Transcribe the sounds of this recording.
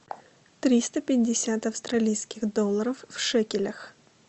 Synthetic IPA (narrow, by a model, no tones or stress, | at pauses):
t̪ɾʲist̪əpʲɪːɪsʲat̪ɐfst̪ɾɐlʲijskʲɪxd̪olˠːəɾəfːʂɛkʲɪlʲəx